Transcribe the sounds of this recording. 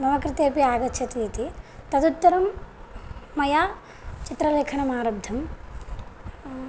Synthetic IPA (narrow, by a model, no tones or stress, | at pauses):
nɐʋɐkɾɪt̪eːpiaːɡɐtːʃʰɐt̪iːt̪it̪ɐd̪ut̪ːɐɾɐmː | ɐjaː | t͡ʃit̪ɾɐleːkʰɐɳɐmaːɾɐbd̪ʱɐm